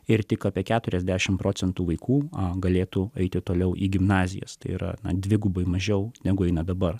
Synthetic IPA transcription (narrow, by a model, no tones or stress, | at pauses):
ɪrt̪ʲɪkɑːpʲiɛkʲæːt̪ʊɾʲɛzʲd̪ʲæːʃʲɪmpɾoːt͡sʲɛnt̪uːʋɐɪkʰuːɐɡɐlʲeːt̪uɛɪt̪ʲɪt̪oːlʲɛʊʔiːɡʲɪmnɑːzʲɪ̰jɛ̰st̪ɐɪḭɾɐ̰nɐ̰d̪ʲʋʲɪɡʊbɐɪmɐʒʲɛʊnʲæɡʊɛɪnɐd̪ɐbɐr